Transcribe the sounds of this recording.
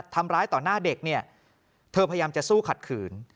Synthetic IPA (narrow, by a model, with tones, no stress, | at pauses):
t̪ʰːa˧mɾaː˦˥jt̪ɔː˨˩naː˥˩de˨˩k̚ni˥˩ɐ | t̪ʰɤː˧pʰa˧ja˧jaː˧mt͡ɕa˨˩suː˥˩kʰa˨˩t̪̚kʰɯː˩˦n